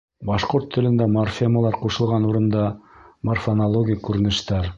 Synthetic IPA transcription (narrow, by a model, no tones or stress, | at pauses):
bɑʃqoɾt̪ʰːɘ̆lɘ̆nd̪æmorfʲeməlˠɑɾquʃɤ̆lˠʁɑnuɾɤ̆nd̪ɑmorfɐnɐlˠoɡʲijkʉɾɘ̆nɘ̆ʃt̪æɾ